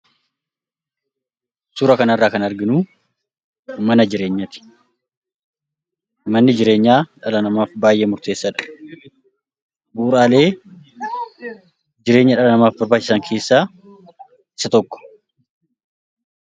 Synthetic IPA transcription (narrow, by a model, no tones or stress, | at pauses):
suɾɐkɐnɐrːaːkɐnɐɾɡɪnuː | mɐnɐd͡ʒɪɾe̞ːɲːɐt̪ɪ̥ | mɐnːɪd͡ʒɪɾe̞ːɲːaːᶑɐlɐnɐmaːfbaːjʔe̞ːmʊɾt̪e̞ːsːɐᶑɐ̥ | buːɾaːle̞ː | d͡ʒɪɾe̞ːɲːɐᶑɐlɐnɐmaːfbɐɾbaːt͡ʃːɪ̥sɐŋkʰe̞ːsːaː | ɪ̥sɐt̪ɔkːɔ̥